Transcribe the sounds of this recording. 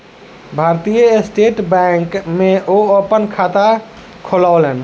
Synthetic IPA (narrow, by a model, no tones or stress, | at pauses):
bʱaɾt̪ijəesʈeʈbɛŋkmeʔoəpənkʰat̪a | kʰolalen